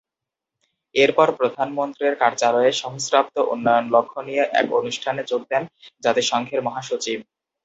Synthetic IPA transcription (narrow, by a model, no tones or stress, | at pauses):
eɾpɔɾpɾod̪ʱanmont̪ɾiɾkaɾt͡ɕaɾoeʃɔɦosɾap̚t̪oʔunːɔjonlokʰːonijeʔɛ̰ko̰nuʃʈʰanet͡ɕok̚d̪ɛnd͡ʑat̪eʃɔŋkʰeɾmɔɦaʃot͡ɕib̚